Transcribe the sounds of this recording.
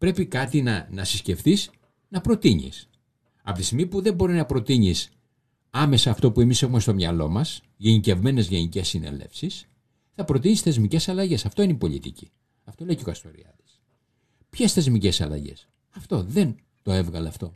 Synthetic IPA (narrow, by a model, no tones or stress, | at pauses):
pɾe̞pikɐt̪inɐnɐsisce̞fθis | nɐpɾo̞t̪iɲḭs | ɐ̰pot̪isimipuðe̞mbo̞ɾiznɐpɾo̞t̪iɲis | ɐme̞sɐːft̪o̞pue̞mise̞xumest̪o̞mɲɐlo̞mɐs | ʝe̞nice̞vme̞ne̞zʝe̞nice̞sːine̞̰le̞̰fsis | θɐpɾo̞t̪iɲisθe̞zmice̞sɐlɐʝe̞sɐft̪o̞ineipo̞ʎḭt̪ici̥ | ɐft̪o̞le̞jceokɐst̪o̞ɾḭɐ̰t̪i̥s | pçesθe̞zmice̞sɐ̰lɐ̰ʝe̞̰s | ɐft̪o̞ðe̞n | t̪o̞e̞vɣɐleɐft̪o̞̰